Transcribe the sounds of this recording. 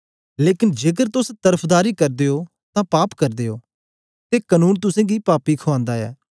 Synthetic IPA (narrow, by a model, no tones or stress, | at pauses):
leːkɪnd͡ʒeːkəɾt̪ʊst̪əɾəpʰd̪aːɾiːkɐɾd̪eːo | t̪ãːpaːpkəɾd̪eːoː | t̪eːkənuːnt̪ʊsɛ̃ːɡipaːpikʰoãːnd̪aːɛ̰ː